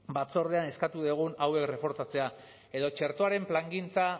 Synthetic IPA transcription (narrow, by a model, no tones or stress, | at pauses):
bat͡so̞ɾðe̞ane̞skat̪uð̞eɣ̞unawe̞kre̞fo̞ɾt͡sat͡se̞a | e̞ðo̞t͡ʃe̞ɾt̪o̞aɾe̞mplaŋɡint͡sa